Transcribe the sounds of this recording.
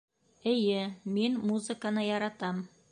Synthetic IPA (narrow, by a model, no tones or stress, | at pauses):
ɘ̆jɘminmuzɨ̆kanɤjɑɾɑt̪ɑm